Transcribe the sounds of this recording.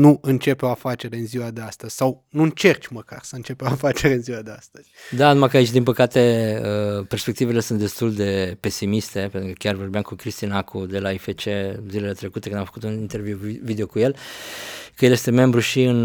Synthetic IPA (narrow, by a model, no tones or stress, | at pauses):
nuɨnt͡ʃe̞peoafat͡ʃe̞ɾeɨnziwad̪east̪əzʲsaw | nuɨnt͡ʃe̞rt͡ʃʲməka̰rsəɨnt͡ʃe̞peoafat͡ʃe̞ɾeɨnziwad̪east̪əz̥ʲd̪anumakəait͡ʃd̪inpəkat̪e̞əpe̞rspek̚t̪ivele̞sunt̪d̪e̞st̪uld̪e̞pe̞simist̪e̞pe̞nt̪ɾukəkʲarvo̞rbejamkukɾist̪inakʰud̪e̞laifet͡ʃezile̞le̞t̪ɾe̞kut̪e̥kɨnd̪amfəkut̪unint̪e̞rvjuwvid̪eokuje̞l | kəjeljest̪e̞me̞mbɾuʃiɨn